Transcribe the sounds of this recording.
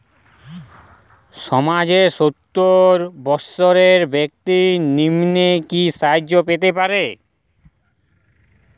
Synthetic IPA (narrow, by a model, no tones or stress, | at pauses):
ʃɔmad͡ʑeɾʃot̪ːoɾbɔsoɾeɾbek̚t̪inimnekisad͡ʑːopet̪̬epaɾe